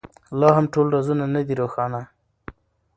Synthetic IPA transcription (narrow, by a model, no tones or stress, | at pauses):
lɑɦamʈolɾazunanad̪iɾoxɑna